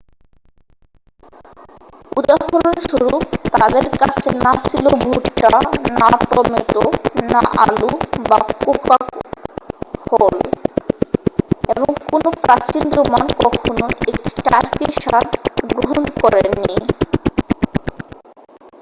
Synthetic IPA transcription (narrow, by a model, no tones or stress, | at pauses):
ud̪aɦoleɾʃuɾut̪ad̪eɾkat͡ɕʰḛnasʰilobʱuʈːanapɾɔmeʈonaʔa̰lubakukak | hol | eboŋkonopɾat͡ɕinɾumankɔkʰonoek̚ʈi̥ʈaɾkiʃat̪ɡɾɾoɦonkɔɾeni